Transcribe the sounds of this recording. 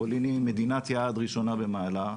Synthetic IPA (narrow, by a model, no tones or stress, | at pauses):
olinimed̪inat̪jaːd̪ʁiʃo̞nabemaːla